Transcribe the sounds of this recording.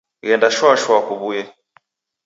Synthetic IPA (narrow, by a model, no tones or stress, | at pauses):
ɣɛndaʃwaʃwakuβujɛ